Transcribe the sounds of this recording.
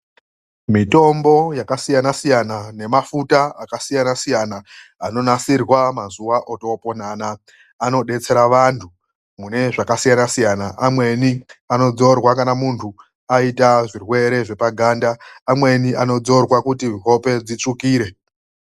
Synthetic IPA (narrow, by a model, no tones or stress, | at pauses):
mito̞mbo̞jakasijanasijanane̞mafutaakasijanasijanaano̞nasirwamazuʋaʔo̞to̞po̞nanaː | no̞ɗe̞t͡se̞ɾaʋantʰu | mune̞ʐakasijanasijanaʔamwe̞niano̞d͡zo̞rwakanamuntʰu | aitaʐirwe̞ɾe̞ʐe̞paɡʱandaːmwe̞niʔano̞d͡zo̞rwakutiɦo̞pe̞d͡zit͡ʂukiːɾe̞